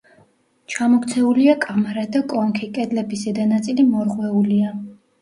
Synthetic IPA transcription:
t͡ʃʰamɔkʰʼt̪sʰɛuliakʼamaɾad̪akʼɔŋkʰikʼɛd̪lɛbisɛd̪anat̪sʼilimɔɾʁwɛulia

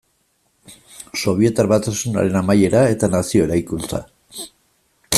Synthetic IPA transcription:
so̞β̞ie̞t̪arβat̪asuna̰ɾe̞namaje̞ɾae̞t̪anasio̞e̞ɾajkunt͡sa̰

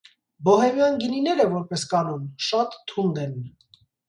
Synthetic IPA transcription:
bɔhɛmjɑnɡininɛɾɛvɔɾpɛskɑnumʃɑt̪ʰːund̪ɛn

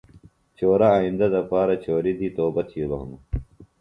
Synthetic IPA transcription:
t͡ɕoːɾaːĩnd̪ɐd̪ɐpaːɾɐt͡ɕoːɾid̪ʱiːt̪oːbɐt̪ʰijobɐ̰ɦṵmu

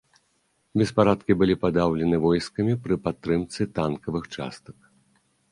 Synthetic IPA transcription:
bʲɛspaɾat̪kʲibɨlʲipad̪awlʲɛnɨvɔjskɐmʲipɾɨpat̪ːɾɨmt̪sɨt̪ankɐvɨxt͡ʂa̰st̪ɐk̚

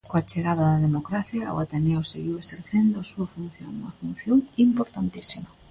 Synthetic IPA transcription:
koat͡ʃeɣaðaðaðemokɾaθjao̰at̪enewseɣiweseɾθend̪ʊasuɐfunθjo̰ŋumɐfun̟θjoŋimpoɾt̪ant̪isimɐ

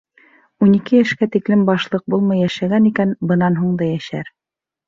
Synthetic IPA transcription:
unikɘjæʃkæt̪iklɘmbɑʃlˠɤq̚bulˠmɤjːæʃæɡænikænbɤ̆nɑnɦuɴd̪ɑjæʃæ̰ɾ

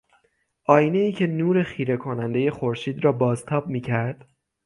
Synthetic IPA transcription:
ʔɒːjne̞iːcʰe̞nuːɾe̞xiːɾe̞kʰo̞nænd̪e̞je̞xoɾʃiːd̪ɾɒːbɒːzt̪ʰɒːb̚miːcʰæɾd̪̥

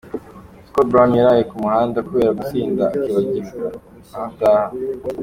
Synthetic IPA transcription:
skot̚bɾamjaɾajekumuhaːndakuβe̞ːɾaɡusiːndaːkiβaɟizɡa | ahavtaːha

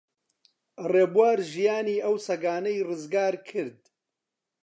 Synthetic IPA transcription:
reːbuwaːɾʒijaːniːʔɐwsɐɡaːnɐjrɨzɡaːɾkʰɨɾd̪

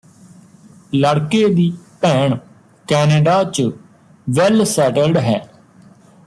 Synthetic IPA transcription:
ləɽkeːd̪iːpɛːɳ | kɛːneːɖaːt͡ʃə | ʋɛlsɛːʈəlɖɦɛː

